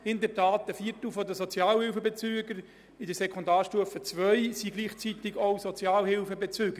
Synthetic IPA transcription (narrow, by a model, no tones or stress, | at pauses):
hɪndəɾtʰaːtəfiːəɾtl̩fɔd̪əsɔt͡sjɑːlhɪlfəbet͡syːəɡəɾ | ɪdəsɛkʰɔndaːrʃtuəfət͡sʋœɥsiɡliːχt͡sit̪ɪɡowsɔt͡sjɑːlhɪlfəbet͡syːɡ̥ə